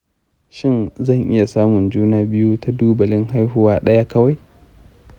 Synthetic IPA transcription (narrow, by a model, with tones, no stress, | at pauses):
ʃɪ˦˨nzɐ˦˨ŋʔɪ̰˦ja˨saː˦mʊ˨nd͡ʒuː˦naː˦bɪ˦juː˦tʰa˦duː˦bɐ˨lɪ˦ŋɦa˦jɦʊ˦waː˦ɗɐ˦ja˦kɐ˦wa˨j